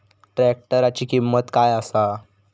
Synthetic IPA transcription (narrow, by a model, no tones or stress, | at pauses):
ʈɾɛk̚ʈəɾat͡ɕiːkimːət̪kajasa